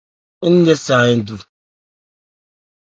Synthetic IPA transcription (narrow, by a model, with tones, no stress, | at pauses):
n̩˦de˦sa˨ɪ˦n̩˦˨du˨